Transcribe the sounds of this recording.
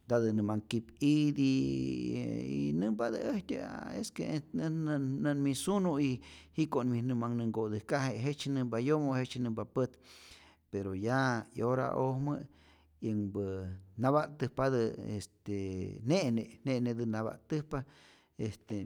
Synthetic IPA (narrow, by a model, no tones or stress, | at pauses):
d̪ad̪ɨnɨmaŋkipid̪i | ḭnɨmbad̪əeht̪ʲa̰ḛske | nənmisunuihiʔkonminɨmaŋnɨŋɡod̪ɨhkaɦeɦet͡ʃnɨmbajomohet͡ʃnɨmbapət̪ | peɾojaḭoɾa̰ʔohmɨ | jəŋbənaβaʔt̪ɨhpad̪ɨest̪eneʔnenened̪ɨnaβa̰ʔt̪ɨhpa | est̪e